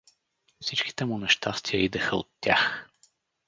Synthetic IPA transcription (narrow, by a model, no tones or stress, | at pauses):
fsit͡ʃki̥t̪ɛmʊnɛʃt̪ast̪ijəid̪ɛxəo̰t̪ːja̰x